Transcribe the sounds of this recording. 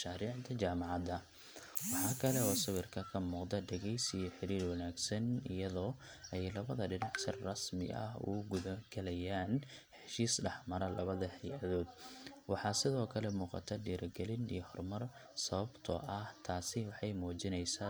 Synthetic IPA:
ʃaːɾiːʕd̪ɐt͡ʃaːmɑʕɑd̪ɐ | wɑħɑːkʰɐlɛɔːsɐβɪrkʰɐkʰɐmuːqd̪ɐdɛɣɛjsɪjɔħɪɾiːrwɑnaːɡsɐnɪjɐðɔː | ɛjlɐβɐðɐɖɪnɑħsɐrrɐsmɪ̰ʔɐ̰ɦʊ̰ɡʊðɐɡɐlɛjaːn | ħɛʃiːsɖɑħmɐɾɐlʔɐ̰βɐðɐhɛjɐðɔːd̪wɑħɑːsɪðɔːkʰɐlɛmuːqɑ̰t̪ʰɐɖiːɾʔɐɡɐlɪnḭjɞhɔrmɐr | sɐβɐbt̪ʰɔ̰ʔɐht̪ʰaːsɪwɑħɑjmɔːt͡ʃɪnɛjsaː

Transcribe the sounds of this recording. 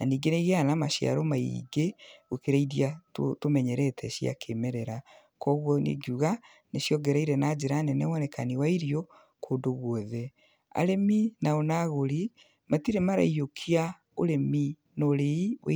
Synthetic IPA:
naniːŋɡeneiɣeanamaʃja̰ɾomaiḭɡeɣokeɾaiðiatotomɛɲɛɾɛtʰɛʃia̰kʰemeɾɛɾa | kɔɣwɔnḛɡuɣa | neʃjɔɡɛɾaiɾɛnad͡ʑeɾanɛnɛwɔnɛkaniwaiɾiɔ | kʰoːdoɣwɔðɛ | a̰ɾeminaonaɣoɾi | matiɾemaɾa̰iokʰia | oɾemi | noɾeiwḛ

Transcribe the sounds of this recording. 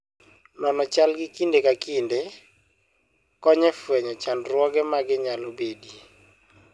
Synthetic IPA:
nɔnɔt͡ʃalɡɪkindekakinde | kɔɲɛfwɛɲɔt͡ʃanɾwɔɡɛmaɡɪɲalobedi

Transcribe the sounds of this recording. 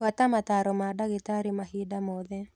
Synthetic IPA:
wat̪amat̪aɾɔmadaɡɪtaɾimaɦidamoðɛ

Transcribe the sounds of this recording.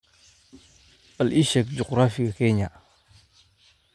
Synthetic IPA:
palʔiʃek̚d͡ʒukɾafikakeɲa

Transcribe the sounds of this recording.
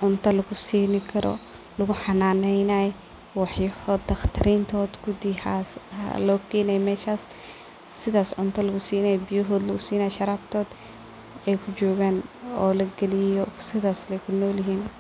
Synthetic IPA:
ʕʊnt̪ʰɐlɐɣʊsiːnɪkʰɐɾʔɔ̰ | lɐɣʊħɑnaːnɛjnaj | wɑħjɐhɔːd̪ɐxt̪ʰɪɾiːnt̪ʰɔːd̪ɡʊd̪ɪhaslɔːkʰɛːnɛjmɛːʃaːsː | ɪðaːsʕʊnt̪ʰɐlɐɣʊsiːnɛjbɪjɔɦɔːd̪lɐɣʊsiːnaːjʃɐɾaːbt̪ʰɔːd̪ | ɛjkʰʊt͡ʃɔːɣaːnɔːlɐɡɛlɪjɔsɪðaːslɛjkʰʊnɔːlɐɦiːn

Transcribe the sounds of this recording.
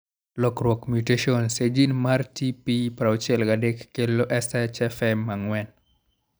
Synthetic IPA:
lɔkrwɔkmjuteʃiɔnsed͡ʒinmartipipaɾaot͡ʃɛlɡadekːeloʔɛsɛt͡ʃɛfɛmːaŋwɛn

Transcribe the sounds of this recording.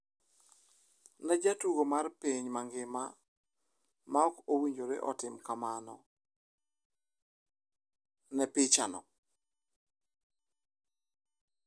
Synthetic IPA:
nɛd͡ʒatuɡomarpiɲmaŋɡɪma | maɔkowiɲd͡ʒoɾɪ̰ʔɔtɪmkamanɔ | nɛpɪt͡ʃanɔ

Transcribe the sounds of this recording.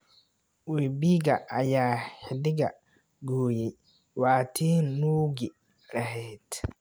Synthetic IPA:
wɛːbiːɡɐʔɐjaːhɪdɪɡɐ | ɡoːjɛj | waːt̪ʰiːnuːɡɪ | lɐɦɛːt̪

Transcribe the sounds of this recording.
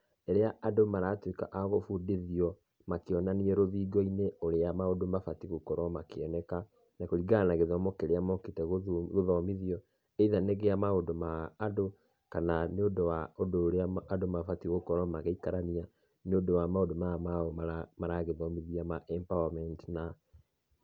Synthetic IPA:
ɛɾeaʔadomaɾatweka̰ʔaɣofudeðiɔ | makeɔnaniɛɾoðiːɡɔineoɾeamaodomafatiɣokɔɾɔmakeɔnɛka | nakoɾiɡanaɣeðɔmɔkeɾeamɔketɛɣoɣoðɔmiðiɔ | eiðaneɣeamaodomaːdo | kananeodowaodoːɾeaːdomafatiɣokɔɾɔmaɣeikaɾana | neondowamaodomamaɔmaɾamaɾaɣeðɔmiðiamaʔɛmpawamɛntna

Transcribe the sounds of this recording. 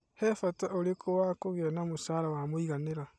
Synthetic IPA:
hɛfataʔoɾekʰowakoɣeanamosaːɾawamoiɣaneɾa

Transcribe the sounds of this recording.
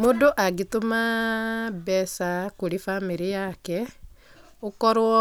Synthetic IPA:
modoʔaɡitoma | bɛsakoɾifamiɾijakɛ | okɔɾwɔ

